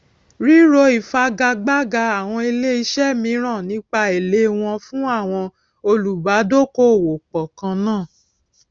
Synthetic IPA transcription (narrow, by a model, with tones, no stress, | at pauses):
ɾi˦ɾo˧i˨fa˧ɡa˧ɡ͡ba˦ɡa˧a˨w̃ɔ̃˧e˧le˦i˧ʃɛ˦mĩ˨˧˦ɾ̃ã˦˨nĩ˨˦k͡pa˧e˨le˨˦w̃ɔ̃˧fũ˦a˦˨w̃ɔ̃˧ | o˧lu˨ba˨˦do˦ko˦˨wo˨k͡pɔ˨kã˧nãː˦˨